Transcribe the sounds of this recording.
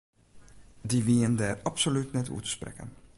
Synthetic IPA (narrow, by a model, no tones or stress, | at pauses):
diʋiəndɛrɑpsolytnɛtṵtə̥sprɛ̰kə̰n